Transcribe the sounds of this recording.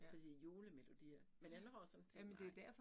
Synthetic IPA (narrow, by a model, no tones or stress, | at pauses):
fɒ̽d̥ḭːjo̝ːləmelo̝d̥ḭːɐmenænhɒsɒnt͡sʰjæmend̥e̝æd̥æɐfɒ